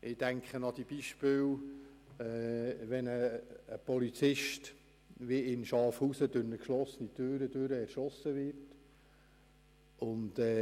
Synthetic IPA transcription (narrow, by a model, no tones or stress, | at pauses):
ʔɪdæŋkχənɑd̪ib̥iʃpɪw | ɛːʋɛnəːpɔlit͡sɪʃt | ʋiɪnʃɑfhuːsəd̥ønəkʃlɔsənit̪øːɾədøɾəɛɾʃɔsːəʋɪrt | ʊnd̪ɛː